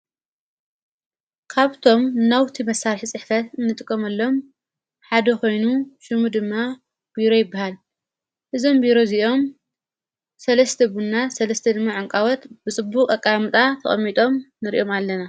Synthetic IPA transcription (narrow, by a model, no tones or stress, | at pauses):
kʰaβt̪ʰo̞mnawt̪ʰimɐsːaɾħit͡sʼɨħfɐt̪ɨnːɨt̪ʼɨkʼːomɐlːo̞m | ħad̪ɐko̞jnuʃɨmud̪ɨmːa | b̥iɾo̞jɪbːahal | ʔɨzo̞mbiɾo̞ziʔo̞m | sɐlɐst̪ʰɐbunːasɐlɐst̪ʰɐd̪ɨmːaʕɨŋkʼawɔt̪bɨt͡sʼɨbːukʼɐkʼːamɨt̪ʼat̪ʰɐ̰χʼɐ̰mːit̪ʼo̞mnɨɾḭʔo̞malːɐna